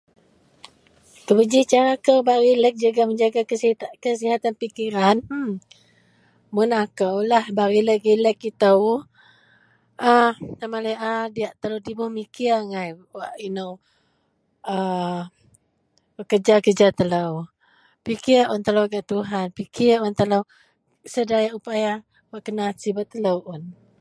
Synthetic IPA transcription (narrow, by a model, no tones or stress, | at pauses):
kəbəd͡ʒit͡ʃaɾakəwbaɾilək̚d͡ʒuɡaməɲd͡ʒaɡakəsikəs̬iɦat̪anpikiɾan̩ | mʊnakəwlahbaɾiləkiləkit̪əw | ʔanamaləʔadiaʔt̪ələwdibuhmikiŋajwaʔinow | ə | bəkəd͡ʒakəd͡ʒat̪ələw | pikɪʔʊnt̪əlowɡaʔt̪uɦanpikɪunt̪ələw | sədajaʔupaja | waʔkənasibaʔt̪ələwʔʊn